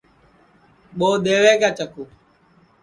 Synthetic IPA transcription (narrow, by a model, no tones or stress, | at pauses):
ɓoːɗ̪eːʋeːkaːt͡ʃəkuː